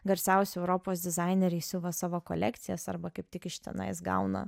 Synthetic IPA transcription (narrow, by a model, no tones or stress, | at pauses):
ɡɐɾʲsʲɛʊsʲʊɛʊɾoːpoːsd̪ʲɪzɑɪnʲeɾʲɛɪsʲʊʋɐsɑːʋoːko̰lʲɛkt̪sʲɪjɛsɐɾbɐkɐɪp̚t̪ʲɪkɪʃʲt̪ʲɛ̰nɐ̰ɪsɡɐ̰ʊnɐ̰